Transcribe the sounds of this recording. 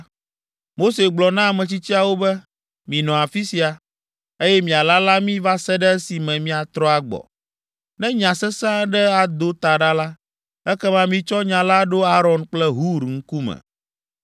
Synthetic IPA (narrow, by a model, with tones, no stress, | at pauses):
mo˦se˨ɡ͡blɔ˨nã˦˨mɛ̃˨t͡ɕi˦t͡ɕi˦a˨wo˦bɛ˦ | mĩ˨nɔ̃˨a˨fi˦si˨a˨ | e˦jɛ˦mĩ˨a˨la˦la˦mĩ˦va˦sɛ˦ɖɛ˦si˨mɛ̃˨mĩ˦a˨t̪ɾɔ˦a˨ɡ͡bɔ̰˨ | nɛ̃˦ɲã˨sɛ˦sã˦ɖɛ˦a˨d̪o˦t̪a˨ɖa˦la˦ | ɛ˦kɛ˦mã˦mĩ˦t͡ʃɔ˦ɲã˨la˦ɖo˦a˦ɾɔ̃˨nk͡plɛ˦ɦu˦ɾŋ̩˦ku˦mɛ̰̃˨